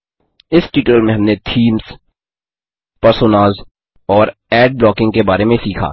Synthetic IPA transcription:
ɪsʈiːʈəlmẽɦɐ̃mnet̪ʰiːmz̥ | pɐɾsoːnaːz | ɔːɾɛːɖ̚blɔːkɪ̃ŋɡkebaːɾemẽsiːkʰa̰ː

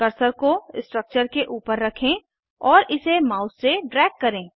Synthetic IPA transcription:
kɐɾsəɾkosʈɾək̚t͡ʃəɾkeʔuːpəɾːɐkʰẽ | ɔːɾʔɪsemaːʊsːeɖɾɛːkːɐɾẽː

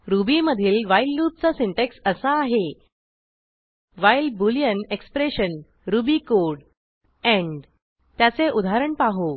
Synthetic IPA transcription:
ɾubiːməd̪ʱiːlʋajlːup̚t͡sasiɳʈeksəsaːɦe | ʋajlbulijənekspɾeɕən | ɾubikoɽ | ɛ̃ɳɖ | t̪jat͡seʔud̪ʱaɾəɳpaɦo

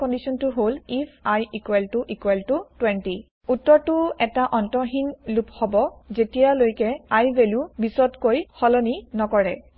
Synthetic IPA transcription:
kɔndisɔntuɦolifʰajikwɛltuʔikwɛltutwɛnti | utːɔɹtuɛtaʔɔntɔɦinluphɔbɔzetijalojkɛajbeljubisɔtkojhɔlɔninɔkɔɹɛ

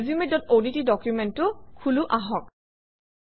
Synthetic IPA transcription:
zimedɔtonitidɔkjumɛntːʊkʰuluʔaɦɔk̚

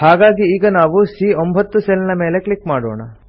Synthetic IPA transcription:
haːɡaːɡiiːɡɐnaːʋusiːombʱɐt̪ːuselːinɐmeːle̞kɭikmaːɽo̰ːɳɐ̰

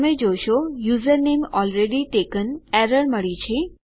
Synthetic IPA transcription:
med͡ʒojʃojuːzəɾnemɔlɾeɖiʈekənɛɾəɾməɭit͡ʃʰe

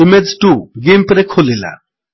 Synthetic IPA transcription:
imed͡ʒʈuɡempɾekʰolila̰

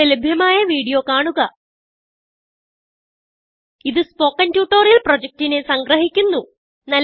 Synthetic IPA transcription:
elubʱjɐmaːjɐʋiːɽijo̞kaːɳuɣɐ | iðɨspo̞ːkːɐntjuːʈːoːrjilprod͡ʑɐk̚tine̞sɐŋɡrɐɦikʲːunːu | nɐl

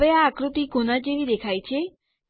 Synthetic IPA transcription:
eaːkɾot̪iɡonad͡ʒeʋid̪ekʰajt͡ɕʰe

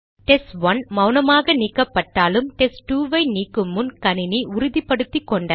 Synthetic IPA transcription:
ʈɛsʋɐnmɐʊnɐmaːɣɐniːkːɐpːɐʈːaːlɯmʈɛsʈuːʋɐɪniːkːɯmːɯnkɐnɪniʊɾʊðipːɐɽɯt̪ːikːɔɳɖɐ

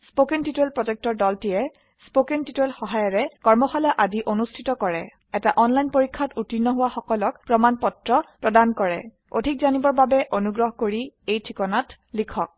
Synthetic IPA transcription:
spokentitelpɹɔzɛk̚tɔɹdɔltijɛ | spokentituelxɔɦajɔɹɛkɔɹmɔxalɔʔadiʔonustʰitɔkɔɹɛ | ɛtaʔɔnlajnpoɹikʰːatutinːɔɦʊwaxɔkɔlɔkpɹɔmanpɔtɹɔpɹɔdankɔɹɛ̰ | o̰dʱik̚zanibɔɹbabɛʔonuɡɹɔɦɔkoɹiejtʰɹikɔnat | likʰɔk̚

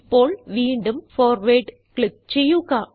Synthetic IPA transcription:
pːoːlʋiːɳɖɯmfoːɾʋeːʈ | kɭɪp̚t͡ʃɛjukaː

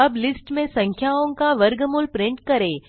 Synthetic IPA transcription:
əblɪsʈmẽsə̃ŋkʰjaõŋkaʋəɾɡəmulpɾɪ̃ɳʈ̚kɐɾe

